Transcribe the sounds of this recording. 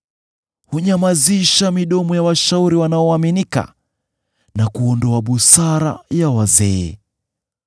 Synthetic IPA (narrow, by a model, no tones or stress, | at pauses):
huɲamaziʃamiɗɔmɔjawaʃauɾiwanaɔaminika̰ | nakuɔndɔaɓusaɾa̰jawazɛɛ